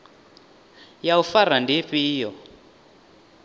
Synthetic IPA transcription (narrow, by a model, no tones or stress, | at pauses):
jaufarandiɸiːjɔ